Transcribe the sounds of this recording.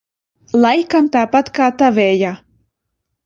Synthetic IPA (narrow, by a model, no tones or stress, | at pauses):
lˠajkamt̪aːpat̪kaːt̪avɛːja